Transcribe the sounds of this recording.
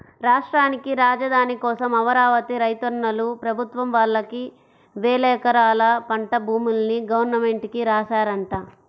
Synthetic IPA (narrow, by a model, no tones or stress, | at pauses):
ɾaːʂʈɾaːnikiɾaːd͡ʒɐd̪ʱaːnikɔːsɐmɐʋɐɾaːʋɐt̪iɾɐjt̪ɐɾɳːɐlupɾɐbʱut̪ʋɐmʋaːɭːɐki | ʋɛːlɛːkɐɾaːlɐpɐɳʈɐbʱuːmulɐniɡɐʋɐɾnɐme̞ɳʈikiɾaːʃaːɾɐɳʈaː